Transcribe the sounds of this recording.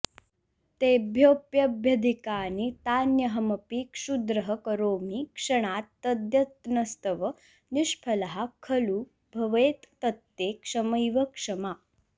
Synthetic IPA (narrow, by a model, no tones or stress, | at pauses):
t̪ebʱjopjɐbʱjɐd̪ʱikaːnit̪anjɐɦɐmɐpikʂud̪ɾɐɦəkəɾoːmikʂɐɳ̃at̪ːɐd̪jɐt̪nɐst̪əʋə | niʂpʰɐlɦakʰɐluː | bʱɐʋeːt̪ːɐt̪ːekʂɐməjʋɐkʂɐma